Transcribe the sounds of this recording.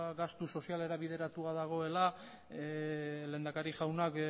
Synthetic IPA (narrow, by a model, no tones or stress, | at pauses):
ɡast̪uso̞siale̞ɾaβiðe̞ɾat̪uaðaɣ̞o̞e̞la | le̞ːnd̪akaɾiʝawnak